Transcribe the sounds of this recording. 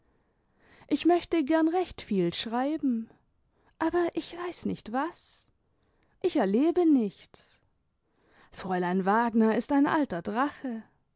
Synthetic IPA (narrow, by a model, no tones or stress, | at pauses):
ʔɪçmœçtəɡɛɐnʁɛçtfiːlʃʁ̥aɪbm̩ | ʔaːbɐʔɪçv̥aɪsnɪçtv̥as | ʔɪçɛɐleːbənɪçtt͡s | fʁ̥ɔʏlaɪnvaːɡnɐɪstaɪnʔa̰ltɐdʁaχə